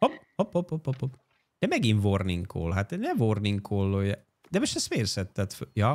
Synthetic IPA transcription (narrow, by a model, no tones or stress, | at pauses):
hophopːopːopːopːop | d̪̥ɛmɛɡiɱvorniŋkʰo̰ːlɦat̪ɛnɛvorniŋkʰolːojɛ | d̪ɛmoʃt̪ɛst̪meːrsɛt̪ːɛt̪føjɒ